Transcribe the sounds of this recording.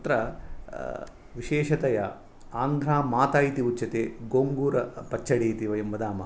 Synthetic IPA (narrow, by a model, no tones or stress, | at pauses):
t̪ɾɐ | ʋiʃeːʃɐt̪ɐjɐ | aːŋɡ̪ʱɾaːmaːt̪aːjit̪iut͡ʃːʃɐt̪eːɡoːŋɡuːɾɐpɐt͡ʃʰːɐɽeːt̪iʋɐjɐmbɐd̪aːmɐ